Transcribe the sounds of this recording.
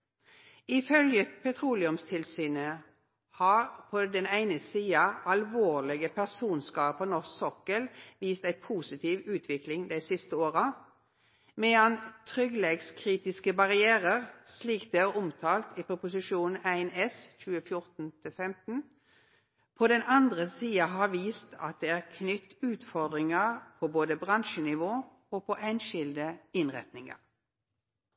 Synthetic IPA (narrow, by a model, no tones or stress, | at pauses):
ɪfœljəpʰɛt̪ʰʁuːlɪʉmst̪ʰɪlsyːnə | hɑːʁpʰɔd̪ɛnæɪnəsiːɑɑlʋoːʁlɪɡəpʰæʁsuːnskɑːpənɔssɔkəlʋiːst̪æɪpʰuːsɪt̪ʰiːʋʉːt̪ʰʋɪklɪŋd̪æɪsɪst̪əoːʁɑ | mɛɑnt̪ʰʁʏɡleɡskʰʁiːt̪ɪskəbɑʁɪeːʁəʁsliːkt̪d̪eæːʁʊmt̪ʰɑːlt̪ipʰʁʊpʊs̬ɪʃuːn̩æɪnɛsçʉːəfjʊʁt̪n̩t̪ʰɪlfɛmt̪n̩ | pʰɔd̪ɛnɑnd̪ʁəsiːɑɦɑːʋiːst̪ʰɑ̰t̪̚d̪eːæːʁkʰnʏt̪ːʉːt̪fɔʁd̪ʁɪŋəʁpʰɔboːd̪əbʁɑnʃənɪʋoː | opʰɔʔæɪnʃɪld̪əɪnʁɛ̰t̪nɪŋɑ̰ʁ